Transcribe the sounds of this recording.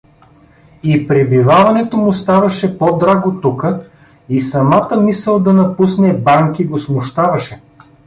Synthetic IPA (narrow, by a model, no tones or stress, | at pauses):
ipɾɛbivavɐnɛt̪omʊst̪avɐʃɛpod̪ɾaɡot̪ukə | isɐmat̪əmisəlˠd̪ɐnɐpusnɛbaŋkiɡosmʊʃt̪avɐʃɛ